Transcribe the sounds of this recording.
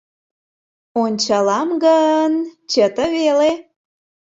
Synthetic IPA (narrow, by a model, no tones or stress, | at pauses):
onʲt͡ɕɑlɑmɣəənt͡ɕət̪əβele